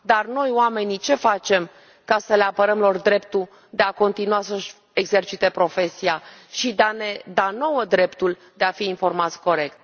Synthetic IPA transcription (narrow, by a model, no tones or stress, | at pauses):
d̪arno̞joame̞nit͡ʃe̞fat͡ʃe̞m | kasəleapəɾəmlo̞rd̪ɾe̞pt̪u | d̪e̞ako̞nt̪inuasəʃ | e̞ɡze̞rt͡ʃit̪e̞pɾo̞fe̞siaʃid̪eane̞d̪ano̞wəd̪ɾe̞pt̪ul | d̪e̞afiːnfo̞rmat̪sʲko̞ɾe̞kt̪̚